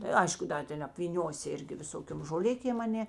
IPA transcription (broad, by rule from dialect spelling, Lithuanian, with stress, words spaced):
tɐ ˈɐɪʃkʊ ˈdɐ ˌtʲɛn ɐpʲʋʲiːˈnʲoːsʲɪ ˈɪrʲɡʲɪ ʋʲɪˈsoːkʲoːm ʒoːˈlʲɪkʲeːm ɐˈnʲeː